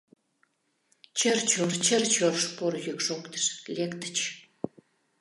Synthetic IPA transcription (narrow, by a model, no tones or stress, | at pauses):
t͡ɕərt͡ɕort͡ɕərt͡ɕorʃporjykʃokt̪ə̥ʃlʲekt̪ə̥t͡ɕ